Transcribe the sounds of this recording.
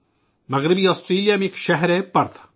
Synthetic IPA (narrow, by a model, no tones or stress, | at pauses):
mɐɣɾɪbiaːsʈɾiːlijamekʃɐɦɾepɐɾt̪